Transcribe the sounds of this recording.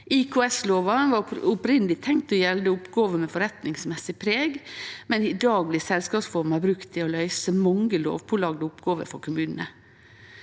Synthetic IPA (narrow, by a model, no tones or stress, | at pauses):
ʔɪkʰʊɛsloːʋɑʋɑʊpɾɪnəlɪt̪ʰɛŋt̪ɔjɛld̪əʊpɡoːʋəmɛfɔɾɛt̪nɪŋsmɛsɪpʰɾeːɡmɛnɪd̪ɑːɡ̚b̪lɪsɛlskɑːpsfɔɾmɑbɾʉkt̪ʰːɪɔlœʏsəmɑŋəlo̰ːʋpʰɔlɑɡd̪əʊpɡɑːʋə̰ɾfɔɾkʰʊmʉːnənə̰